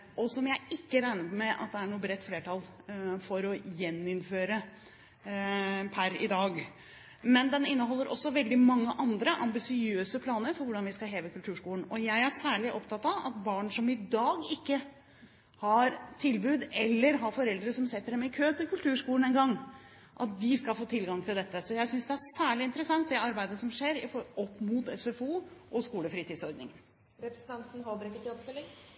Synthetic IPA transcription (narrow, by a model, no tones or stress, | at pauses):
ʔɔsɔmjæɪɪkːəɾæɪnəpɔmɛʔɑ̰t̪̚d̪ɛæɳuːəbɾɛt̪ːfleːʈʰɑl | fɔɾɔjɛnːɪnføːɾə | pʰæɾɪ̰d̪ɑːɡ | mɛnd̪ɛnɪnːəɦɔlːəɾʔɔ̰sːɔʋɛld̪ɪmɑŋːəʔɑnd̪ɾəʔɑmbɪsɪøːsəpʰlɑːnəɾfɔɾʋʊɖɑnʋɪskɑɦeːʋəkʰʉlt̪ʰʉːʂkuːlnɔjæɪæsæːɭɪʔɔpt̪ʰɑt̪ːɑʋɑ̰t̪bɑːɳʂɔmɪd̪ɑːɡɪkːə | hɑɾt̪ʰɪlbʉːd̪ɛlːəɾɦɑfɔɾɛld̪ɾəsɔmsɛt̪ːəɖɛmɪkʰøːt̪ʰɪlkʉlt̪ʰʉːʂkuːlən̩ɛnɡɑŋː | ʔɑt̪̚d̪ɪskɑlfoːt̪ʰɪlɡɑŋt̪ʰɪld̪ɛt̪ːəsɔjæɪsʏnsd̪ɛæsæːɭɪɪnt̪əɾəsɑŋt̪̚d̪ɛɑɾbæɪd̪əsɔmʂeːɾɪfɔɔpːmʊt̪ɛsɛfuːʔɔskuːləfɾiːt̪ːd̪sɔɾd̪nɪ̰ŋən | ɾɛpɾəsn̩t̪ɑnt̪n̩ɦoːbəɾɪkːət̪ɪɔbfœlːɪŋ